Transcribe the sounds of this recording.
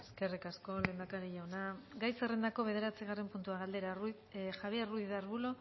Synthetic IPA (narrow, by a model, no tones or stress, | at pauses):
eske̞rikasko̞le̞nd̪akaɾiʎaonaɡajsere̞nd̪ako̞βe̞ð̞e̞ɾat͡siɣare̞mpunt̪uaɣald̪e̞ɾa | xaβjeruðiðaɾβulo̞